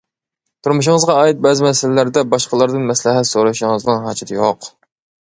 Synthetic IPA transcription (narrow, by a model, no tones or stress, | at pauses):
t̪ʰuɾmuʃ̬ɪŋəzʁɑɑːit̪̚bɛzɪmɛsɪlɪlæɾd̪ɛbɑʃqəlˠɑɾd̪ɨnmɛslɪɦɛt̪soɾɨʃʊŋɨznɨŋɦɑd͡ʒɑt̪ɨjoq